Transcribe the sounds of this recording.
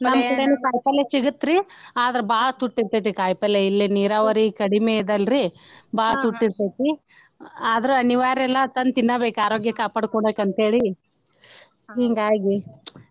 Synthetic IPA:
nɐɐmkɐɽenukaːjpɐlːesiɡut̪ːɾiaːd̪ɐɾebaːɭɐt̪uʈːiɾt̪ɐt̪ikaːjpɐleilːiniːɾaːʋɐɾikɐɽimeid̪ɐlɾibaːɭɐt̪uʈːiɾt̪et̪i | aːd̪ɐɾuɐniʋaːɾɛlːɐt̪ɐnt̪inːɐbeːkaːɾoːɡjɐkaːpaːɽkoɳbeːkɐnt̪ɦe̞ːɭi | ɦiːŋɡaːɡi

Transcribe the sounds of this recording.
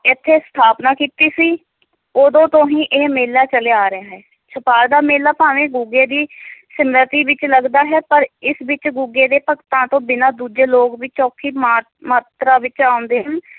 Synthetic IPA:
ɪt̪ʰːeːst̪ʰaːpnaːkiːt̪iːsiː | oːd̪õːt̪õːɦĩːʔeːmeːlːaːt͡ʃəleːaːɾɪjaːɦɛː | t͡ʃʰəpaːɾd̪aːmeːlaːpaːʋẽːɡuːɡeːd̪iːsəmɾət̪iːʋɪt͡ʃləɡd̪aːɦɛːpəɾɪsʋɪt͡ʃɡuːɡeːd̪eːpəkt̪ãːt̪õːbɪnãːd̪uːd͡ʒeːloːɡʋit͡ʃɔːkʰːiːmaː | maːt̪ɾaːʋɪt͡ʃaːʊ̃nd̪eːɦən

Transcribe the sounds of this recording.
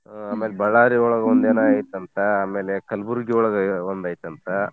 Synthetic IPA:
aːmeːlebɐɭaːɾiɔɭɐɡɐond̪eːnaːjit̪ːɐnt̪ʰɐaːmeːlekɐlbuɾɡiɔɭɐɡɐond̪aːjit̪ɐnt̪ʰɐ

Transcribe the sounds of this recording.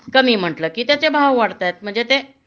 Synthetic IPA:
kəmiːm̤əʈləːkiːt̪jat͡sebʱawʋaɽt̪ajt̪̚m̤əɳd͡zet̪e

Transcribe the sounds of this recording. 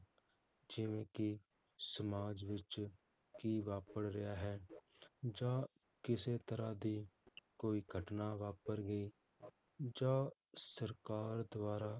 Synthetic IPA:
d͡ʒɪʋẽki | səmaːd͡ʒʋɪt͡ʃ | kiʋaːpəɽɾɐjaɦɛ | d͡ʒaː | kɪset̪əɾad̪ikoːiɡʱəʈnaʋaːpəɾɡəi | d͡ʒaː | səɾkaːɾd̪waːɾa

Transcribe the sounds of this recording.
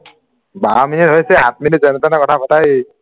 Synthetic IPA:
baminitɦojsɛat̚minitzɔnɔtanakɔtʰapʰɔtaj

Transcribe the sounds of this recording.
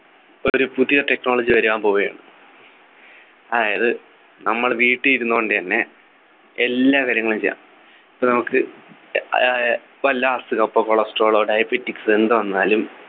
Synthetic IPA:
oɾupuðijɐʈe̞kno̞ːɭɐd͡ʑiʋɐɾuʋaːnpo̞ːɣɐjeɳɨ | ɐðaːjɐðɨ | nɐmːɐɭʋiːʈːɨjiɾunːukoɳɖɨt̪ɐnːe̞ | elːaːkaːɾjɐŋːɐɭumt͡ɕejːa̰ːm | ipːoːnɐmukːɨ | ʋɐlːɐaːsɨkɐpːɐkːoːɭɐsʈoːɭoːɖɐjɐbetːiksɨe̞nd̪uʋɐnːaːlum

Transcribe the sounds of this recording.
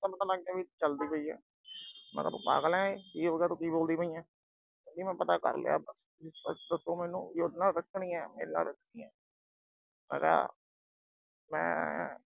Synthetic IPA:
tapət̪ãːlaɡd̪eːbiːt͡ʃəld̪iːpoiːɛ̰ː | mɛ̰ːka̰t̪uːpa̰ːɡlɛ̃ːeːkiːɦoːɡeaːt̪õːkiːboːld̪iːpoiːɛ̃ː | oːd̪iːmɛ̃ːpət̪aːkə̰ɾlḛa̰ːbəs | ɪəd̪əsoːmɛːnṵ̃ːjonaːlɾəknĩːɛːmḛːɾna̰ːlɾəknĩːɛː | mɛ̰̃ːka̰ː | mɛ̰̃ː

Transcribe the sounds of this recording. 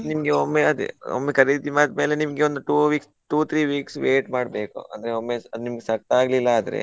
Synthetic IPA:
nimɐɡeomːeɐd̪̰o̰mːekɐɾid̪imaːt̪̚me̞ːlenimɐɡeond̪uʈuːʋiːks | ʈuːt̪ʰɾiːʋiːksʋeːʈmaːɽbe̞ːkṵɐ̰nd̪ɐɾeomːeɐd̪unimɐɡesɐk̚t̪aːɡlilːɐaːd̪ɐɾe̞̰

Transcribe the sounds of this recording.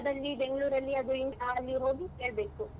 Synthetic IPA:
d̪ɐlːibeŋɡɭuːɾɐlːiɐd̪uint̪ɐɐlːiɦo̞ːɡike̞ːɭbe̞ːku

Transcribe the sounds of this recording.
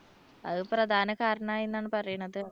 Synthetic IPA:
ɐ̰ðɨprɐd̪ʱaːnɐkaːɾɐɳɐmaːjinːaːɳɨpɐrɐjuɳːɐðɨ

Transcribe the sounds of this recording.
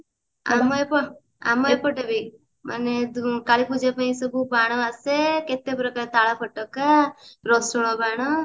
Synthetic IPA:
a̰mɔepɔ | a̰mɔjpɔʈebi | mʔa̰ned̪kaɭipud͡ʒapaĩsɔbubaɽ̃ɔaseket̪epɾɔkaɾet̪aɭapʰɔʈːɔkaɾɔsuɽ̃ɔbaɽ̃ɔ

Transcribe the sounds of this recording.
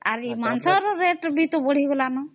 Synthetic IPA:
a̰ɾimansɔɾɔɾeʈbʱit̪ɔbɔɽ̤iɡɔlanɔ

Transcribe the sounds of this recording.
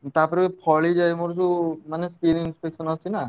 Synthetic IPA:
t̪aɾpɔɾikepʰɔɭid͡ʒajmoɾt̪umaneskiɾinspeksɔnɔst͡ʃʰina

